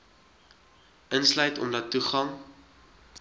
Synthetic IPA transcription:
ʔənslœɥtɔ̰mdɐtːuχɐŋ

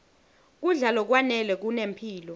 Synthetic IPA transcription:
k̬uɮalɔk̬wanɛlwɛk̬unempʰiːlɔ

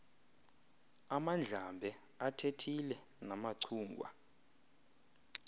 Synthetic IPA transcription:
amand͡ɮʱambʱɛ | atʰetʰilɛ | namaǀʰuːŋɡʱwa̰

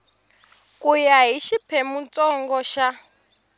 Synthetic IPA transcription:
kʼujaɦiʃipʰɛmunt͡sʼɔŋɡɔʃa

